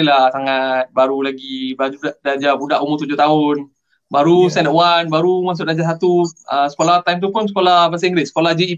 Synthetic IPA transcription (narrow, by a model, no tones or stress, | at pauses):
ilasaŋat̪̚baɾulaɡibaadaɲd͡ʒabudaʔumʊrt̪ud͡ʒʊht̪aʊn | baɾusɛnəʔwanbaɾumas̬ʊʔ̚daɲd͡ʒasat̪uəsə̥kolaht̪ajmt̪̬upʊnsə̥kolabasaiŋɡɾɪsə̥kolad͡ʒi